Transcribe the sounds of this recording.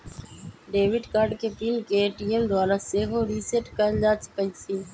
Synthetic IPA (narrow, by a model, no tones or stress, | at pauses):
ɖeːʋɪɖkaːɾɖkep̪iːnkeːʈiːemd̪waːɾaseːɦoːɾiːseʈkəɾd͡ʒaːt͡ʃʰpəisiː